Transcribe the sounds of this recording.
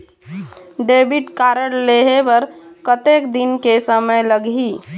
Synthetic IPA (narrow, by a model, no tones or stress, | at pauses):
ɖeːbɪʈkaːɾəɽleːɦepɐɾkət̪eːkd̪ɪnkesəməjləɡi